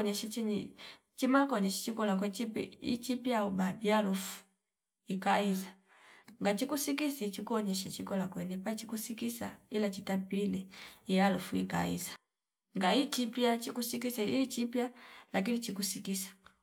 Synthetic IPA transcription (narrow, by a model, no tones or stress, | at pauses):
ɲɛʃat͡ʃiɲi | t͡ʃimakɔɲɛʃi̥t͡ʃikɔlakwɛt͡ʃipḭḭt͡ʃipjaubabialufu̥ | ikaiza | ŋɡat͡ʃikusikisit͡ʃikuɔɲɛʃat͡ʃikɔlakwɛnipat͡ʃikusikisailat͡ʃitapiilɛjalufuika̰ḭzḁ | ŋɡait͡ʃipjat͡ʃikusik̬isait͡ʃipjalakinit͡ʃikusikisḁ